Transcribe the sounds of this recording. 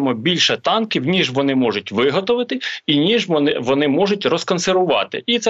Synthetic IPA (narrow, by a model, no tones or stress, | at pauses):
mɔbʲilʲʃɐt̪ɑnkʲiwnʲiʒʋɔnɪmɔʒʊtʲʋɪɦɔt̪ɔʋɪt̪ɪinʲiʒʋɔnɪʋɔnɪmɔʒʊtʲrɔskɔnseɾʋʊʋɑ̰t̪ɪ̰ʔit̪sɛ